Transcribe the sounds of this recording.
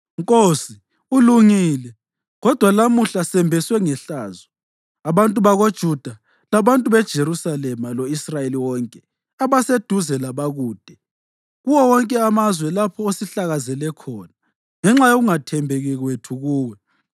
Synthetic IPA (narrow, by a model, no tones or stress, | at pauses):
ŋkʼosi | uluŋiːlɛ | ɣɔd̥ʱwalamuɬasɛmbʱɛswɛŋɛɬaːzɔ | aβantʼuβaɣod̥ʒ̥ʱud̥ʱa | laβantʼuβɛd̥ʒ̥ʱeɾusalɛmaloisrajeliwɔŋkʼɛ | aβased̥ʱuzɛlaβaɣuːd̥ʱɛ | ɣuwɔwɔŋkʼɛamazwɛlapʰɔosiɬaɣazɛlɛkʰɔːna | ŋɛŋ͡ǁajoɣuŋatʰɛmbʱeɣɛɣwetʰuɣuːwɛ